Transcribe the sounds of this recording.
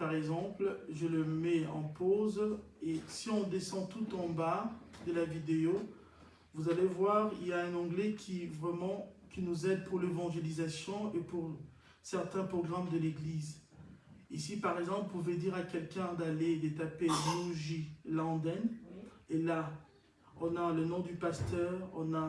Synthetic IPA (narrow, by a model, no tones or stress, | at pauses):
paʁɛɡzɑ̃plʒələmɛɑ̰̃poz | esiɔ̃d̪esɑ̃t̪ut̪ɑ̃bad̪əlavid̪eo | vuzalevwaʁiljaɛ̃nɑ̃ɡlɛkʲʰivʁɛmɑ̃kʲinuzɛd̪̚puʁlevɑ̃ʒelizasjɔ̃epuʁ | sɛʁt̪ɛ̃pχɔɡʁamd̪əleɡliz | isipaʁɛɡzɑ̃plpuved̪iʁakʲɛlkʲɛ̃d̪aled̪et̪apeʒyʒilɑ̃d̪ɛnela | ɔ̃nalənɔ̃d̪ypast̪œʁɔ̰̃na